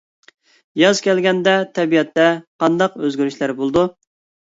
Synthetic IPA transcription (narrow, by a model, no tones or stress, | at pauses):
jɑzkʲʰɛlɡʲɛnd̪ɛt̪ʰɛbijɛt̪ːɛqɑnd̪ɑqøzɡʲyɾyʃlæɾbolˠd̪u